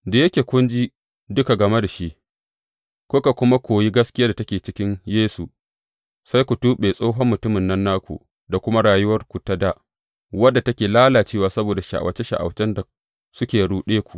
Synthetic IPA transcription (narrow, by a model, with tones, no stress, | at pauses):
da˨jɐ˦kʲeː˨kʷʊ˦nd͡ʒi˦ | dʊ˦ka˨ɡɐ˨me˦da˨ʃi˦ʔ | kʷʊ˦ka˨kʷʊ˦ma˦kʷoː˨ji˦ɡɐ˦skʲɪ˦jaː˦da˨tɐ˦kʲeː˨t͡ʃɪ˦kʲɪ˦ɲjeː˦su˨ | sa˦jkʷu˨tuː˦ɓeː˨sʼoː˦ɦɔ˦mːʊ˨tʊ˦mɪ˨nːɐ˦nːaː˦kʷṵ˨ | da˨kʷʊ˦ma˦ɽaː˨jʊ˦wɐ˦rkʷu˨ta˦da˦ʔ | wɐ˦dːa˨tɐ˦kʲeː˨laː˦laː˨t͡ʃeː˦waː˨sɐ˦boː˨da˨ʃa̰˨ʔa̰˨wʔɐ̰˨t͡ʃe˦ʃa̰˨ʔa̰˨wt͡ʃɛ˦nda˨ | sʊ˦kʲeː˨ɽuː˦ɗeː˦kʷu˨ʔ